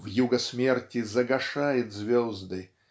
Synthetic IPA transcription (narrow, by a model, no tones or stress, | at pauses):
vjuɡəsʲmʲertʲɪzɐɡɐʂajɪt̪zvʲɔzd̪ɨ